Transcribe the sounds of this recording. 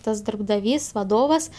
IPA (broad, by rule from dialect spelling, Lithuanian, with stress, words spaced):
ˈtɐs dɐrbdɐˈʋʲiːs ʋɐˈdoːʋɐs